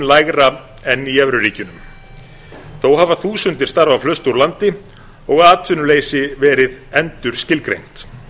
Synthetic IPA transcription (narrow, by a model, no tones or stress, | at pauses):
nlaːjɣɾa | ɛnːiɛvɾʏriːcʏnʏm | θowhaːvaθuːsʏnt̪ɪ̥st̪aɾvawflœst̪uɾlant̪ɪ | ɔɣaːt̪vʏnʏleːjsɪvɛːɾɪðɛnt̪ʏɾ̥scɪlkɾejŋ̥t̪